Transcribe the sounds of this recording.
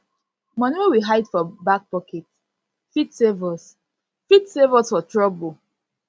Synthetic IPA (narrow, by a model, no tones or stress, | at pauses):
mɔ̃nwewiɦaɪdfɔbak̚pɔkʰɛt | fitsevɔs | fitsevɔsfɔtɹɔbo